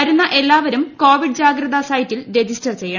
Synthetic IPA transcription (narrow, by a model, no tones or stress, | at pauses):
ɐɾunːɐʔe̞lːaːʋɐɾumko̞ːʋiɖd͡ʑaːɡɾɐðɐsɐjtːilɾe̞d͡ʑistɐrt͡ɕe̞jːɐ